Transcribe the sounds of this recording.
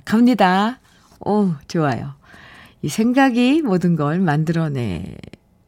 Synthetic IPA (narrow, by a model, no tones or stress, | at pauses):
kamɲida | ot͡ɕoajo̰ | isʰe̞ŋɡaɡimodɯnɡʌɭmandɯɾʌne̞̰